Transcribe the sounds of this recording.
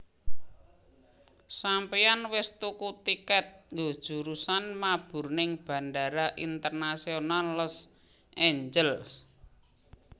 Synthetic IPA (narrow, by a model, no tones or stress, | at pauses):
sampianwɪst̪ukut̪ikɛt̪̚ŋɡo̤d̥ʒ̥ṳɾusanmab̥ʊ̤rnɪŋb̥ä̤nɖa̤ɾaʔint̪ərnasionalːɔs | ʔeɲd͡ʒəls